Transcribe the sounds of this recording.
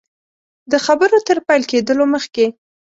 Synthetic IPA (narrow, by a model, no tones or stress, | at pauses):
d̪əxabəɾot̪əɾpajlked̪əloməxke